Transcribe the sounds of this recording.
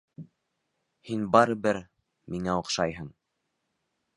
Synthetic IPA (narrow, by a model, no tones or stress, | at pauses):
hinbɑɾɤ̆bɘɾ | miŋæoqʃɑjɦɤɴ